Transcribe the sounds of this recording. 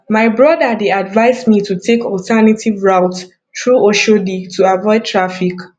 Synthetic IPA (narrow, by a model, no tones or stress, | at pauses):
maɪbɹɔdədeadvaɪzmitʰutʰekɔltʰanatʰivɹawt | tɹuoʃoditʰuavɔɪd̚tʰɹafik